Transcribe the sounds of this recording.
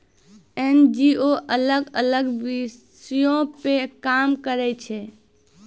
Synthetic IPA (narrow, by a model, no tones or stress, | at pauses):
end͡ʒioʔələɡələɡʋisjõpekamkəɾɛt͡ʃʰɛ